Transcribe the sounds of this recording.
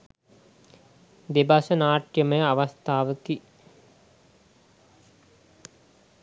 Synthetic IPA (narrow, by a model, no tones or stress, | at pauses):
d̪ebasənaːʈjəməjəaʋast̪aːʋəki